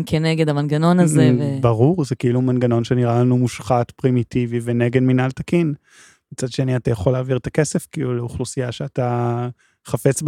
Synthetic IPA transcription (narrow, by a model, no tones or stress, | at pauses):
kʰeneɡed̪amanɡano̞nazevbaʁuʁzekeilumanɡano̞nʃeniʁalanumuʃχatpʁimitiviveneɡedminalt̪akin | mit͡sad̪ʃeniatajaχo̞leaːviʁt̪akese̞fkiiluleuχlusijaʃeata | χafet͡sb